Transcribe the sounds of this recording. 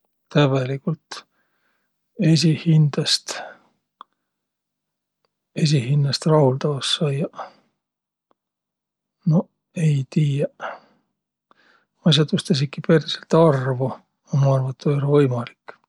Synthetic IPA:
t̪æβelikult̪ˑ | e̞sʲihind̪̥ɑst̪ | e̞s̬ʲihinːɑst̪rɑhuld̪ɑvɑsːɑjɑ | no̞ | e̞jt̪iːjɑ | ɑs̬ɑt̪ust̪ɑs̬ikːiperselt̪ɑrvu | ɑmɑɑrvɑt̪ːˑojolevɤjmɑlikː

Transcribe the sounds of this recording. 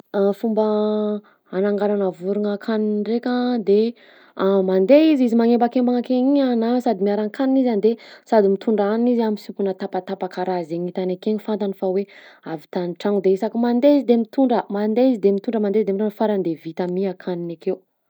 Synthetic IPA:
afumbə | anaŋɡaɾanəvuɾuŋakʰaninrekʲad̪e | mand̪eizizimaŋembakembaŋakeɲianasad̪imiaɾaŋkaninizand̪esad̪imit̪uɳɖ͡ʐaninizamisipunət̪apat̪apakaɾazeɲit̪anakeɲifant̪anifaweavit̪anʈ͡ʂaŋud̪eisakimand̪eizid̪emit̪uɳɖ͡ʐəmand̪eizid̪emit̪uɳɖ͡ʐəmand̪eizd̪emiɾanfaɾand̪evit̪amiakʰaninakew

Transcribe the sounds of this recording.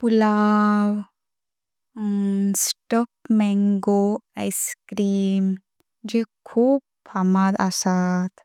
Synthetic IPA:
pulaw | sʈɔk̚mɛŋɡoajskɾiːm | d͡ʒekʰuːb̚ | pʰamad̪a̰sat̪

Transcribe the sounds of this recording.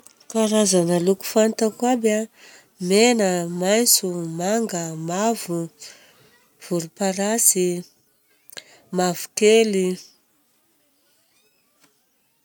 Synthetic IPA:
kaɾazanəluku̥fant̪akwaba | menəmajnt͡sumaŋɡəmavu | v̥uɾupaɾasi | mavu̥keli

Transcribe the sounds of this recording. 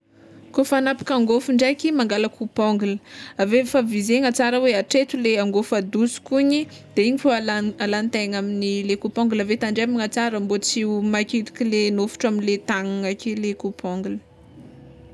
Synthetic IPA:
kofanapḁkaŋɡofuɳɖ͡ʐajkimaŋɡaləkʰupɔŋɡulə̥avefavizeŋat͡saɾəweaʈ͡ʂet̪uleaŋɡofad̪usu̥kuɲi | d̪̥eiɲifoalaalant̪aŋaminilekupɔŋɡulavet̪aɳɖ͡ʐemiŋat͡saɾəmbot͡simakit̪i̥kilenofu̥ʈ͡ʂaminlet̪aŋaŋakʲelekupʰɔŋɡulə̥

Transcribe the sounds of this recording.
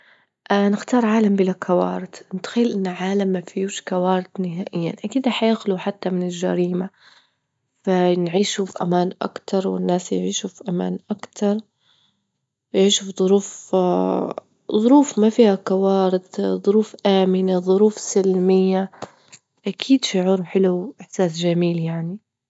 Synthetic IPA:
ʔanɪxt̪ɑːɾˤʕaːlambɪlakʰawɑ̰ːɾˤɪd̪ʔɪnt̪ḁxɪːlʔɪnːʕaːlamːafijuːʃkawaːɾɪd̪nɪɦaːʔɪjːa̰nʔakiːd̪aħajaxluħat̪ːamɪnɪlʒa̰ɾiːma | fanʕiːʃufiʔamaːnʔa̰kt̪ɑɾˤwɪ̰nːaːsjʕiːʃufiʔama̰ːnʔakt̪ʰɑɾˤ | jʕiːʃufðˤʊɾuːf | ðˤʊɾuːfmafiːhakawɑːɾɪd̪ðˤʊɾuːfʔaːmɪnaðˤʊɾuːfsɪlmɪjːa | ʔakʰiːd̪ʃʊʕuːɾħɪluʔɪħsaːsʒamiːljaʕni

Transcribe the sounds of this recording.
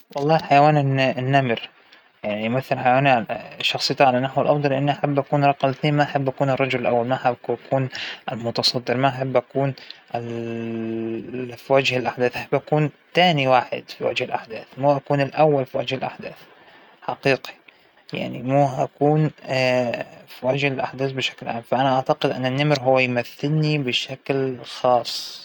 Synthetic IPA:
wɑlˤːɑːħajawaːnɪnːamɪɾ | jaʕniʔʊmaθːɪlħajawaːniaʃːɑxsˤɨjːt̪ʕalanaħwalʔɑfd̪ˤɑlʔɪnːiʔaħabːʔakuːnɾˤɑqɑmθneːnmaʔaħabːʔakuːnɨrˤːɑd͡ʒʊlɪlʔawːalmaʔħabakʰuːnʔɪlmʊt̪ɑsˤɑd̪ːɪɾmaʔaħabːʔakuːnɪl | fiwad͡ʒhɪlʔaħd̪aːθʔaħabːʔakuːnt̪aːniwaːħɪ̰d̪fiwa̰d͡ʒhɪlʔa̰ħd̪aːθmuːʔakuːnɪlʔawːalfiwad͡ʒhɪlʔa̰ħd̪aːθ | ħɑqiːqi̥ | ja̰ʕnimuːʔakuːn | fiwad͡ʒhɪlʔa̰ħd̪aːθbɪʃḁklʕa̰ːmfaʔanaʔaʕt̪aqɪd̪ʔɪ̰nːanːɪmɾɦʊwːajmaθːɪlnibɪʃaklxɑːsˤ

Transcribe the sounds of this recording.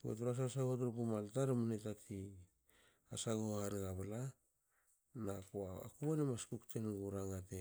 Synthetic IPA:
o̰tuɾas̬asaɡotoɾpumaltaɾmunetatʰi | asaɡoaɾiɣaβala | nakua̰kuonemaskuktenɡuɾaŋate

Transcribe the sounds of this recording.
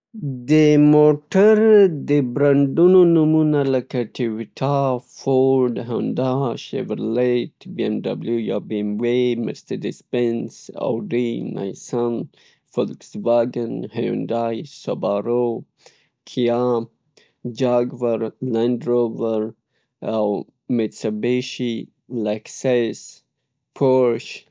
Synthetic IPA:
d̪əmoʈaɾd̪əbɾaɳɖunonumunaləkaʈʰɪwiʈʰafoɾɖɦand̪aʃḛvəɾleʈbiemɖa̰bljuja̰biemwemɪ̰st̪əɾdɪspensa̰wɖinʔa̰jsan | fɔlɪksvaɡənhajṵndajsobaɾo | kʰijam | d͡ʒaɡvəɾlãndɾovəɾ | aw | met̪sabeʃi | laksas | pʰoɾʃ

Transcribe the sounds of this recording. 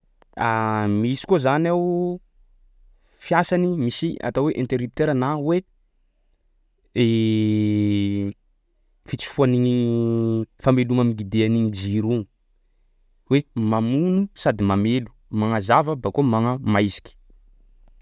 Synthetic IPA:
amisi̥kozanaw | fiasanimisia̰t̪aweʔent̪eɾup̚t̪eɾanawe | e | fit͡si̥fuaniɲi | famelumamiɡid̪eaniɲid͡ʒiɾuŋ | wemamunusad̪imamelu̥ | maŋazavəbakomaŋəmajzi̥ki̥

